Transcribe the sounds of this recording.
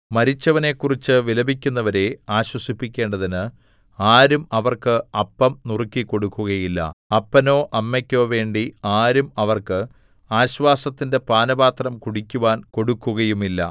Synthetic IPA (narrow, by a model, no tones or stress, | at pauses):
mɐɾit͡ɕːɐʋɐne̞ːkːurit͡ɕːɨʋilɐbʱikʲːunːɐʋɐɾe̞aːɕwɐsipːikʲːe̞ːɳɖɐðinɨ | aːɾumɐʋɐrkɨɐpːɐmnurikːiko̞ɽukːuɣɐjilːɐ̰ɐpːɐno̞ːʔɐmːekʲːo̞ːʋe̞ːɳɖiaːɾumɐʋɐrkɨ | aːɕʋaːsɐt̪ːinde̞paːnɐbaːt̪rɐmkuɽikʲːuʋaːnko̞ɽukːuɣɐjumilːɐ̰